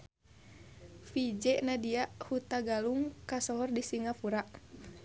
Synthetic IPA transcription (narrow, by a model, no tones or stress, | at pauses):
fid͡ʒɛʔnadiahut̪aɡaluŋkasɔɦɔrdisiŋapuɾaʔ